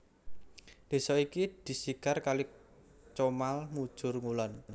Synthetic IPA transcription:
d̪̥e̤sɔikid̪̥i̤sikarkalɪk̚ | t͡ʃomalmud̥ʒ̥ʊ̤rŋulɔn

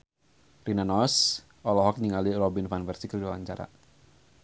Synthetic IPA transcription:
rinanɔs | ʔɔlɔɦɔk̚ɲiŋalirɔbinfanfɛrsikəldiawaɲt͡ʃaɾa̰

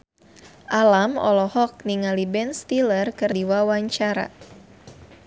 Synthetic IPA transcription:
ʔalamɔ̰lɔhɔk̚niŋalibɛnst̪ilərkɨrdiwawaɲt͡ʃaɾa̰

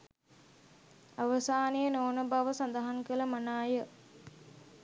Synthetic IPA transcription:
aʋəsaːnijənoːnəbaʋəsɐnd̪ɐɦaŋkələmanaːjə

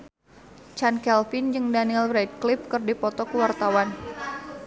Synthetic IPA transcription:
t͡ʃankɛlfɪnd͡ʒɨŋdaniilɾɛt̪̚kliɪp̚kɨrdipɔt̪ɔkəwart̪awan

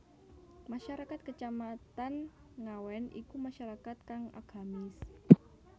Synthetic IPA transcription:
maʃaɾakat̪̚kət͡ʃamat̪an | ŋawɛnʔḭkumaʃaɾakat̪̚kaŋa̰ɡ̥a̤mɪs

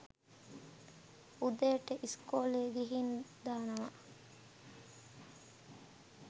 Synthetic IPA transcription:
ud̪eːʈːeʔiskoːleːɡiɦind̪aːnɐʋɐ

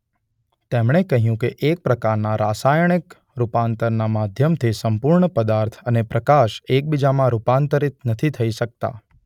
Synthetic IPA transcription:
t̪emɳ̃ekəɦjũkeʔek̚pɾəkaɾnaɾasajəɳ̃ik | ɾupant̪əɾnamad̪ʱjəmt̪ʰisəmpʊɾɳəpəd̪aɾt̪ʰənepɾəkaʃek̚bid͡ʒamãɾupant̪əɾit̪nət̪ʰit̪ʰəiʃək̚t̪a̰

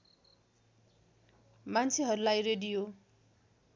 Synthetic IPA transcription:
mant͡sʰeɦʌɾulajreɖijo

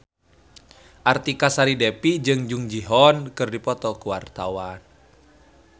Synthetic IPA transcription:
ʔart̪ikasaɾidɛpid͡ʒɨŋd͡ʒuŋd͡ʒiɦɔnkɨrdipɔt̪ɔkuwart̪awan

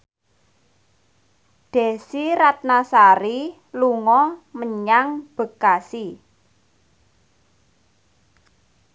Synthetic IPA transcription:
ɖ̪̥e̤siɾat̪̚nasaɾi | luŋɔməɲaŋb̥ə̤kasi

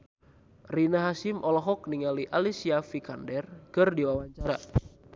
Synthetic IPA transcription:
rinaɦasɪmʔɔlɔɦɔk̚niŋaliʔalisiafikandɛrkɨrdiwawaɲt͡ʃaɾa

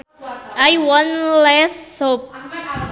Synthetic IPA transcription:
ajwɔ̃nlɛsop̚

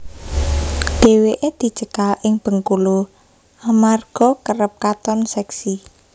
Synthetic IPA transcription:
d̪̥e̤weʔed̪̥i̤t͡ʃəkalʔɪŋb̥ə̤ŋkulu | ʔamarɡ̥ɔ̤kərəp̚kat̪ɔnsɛksi

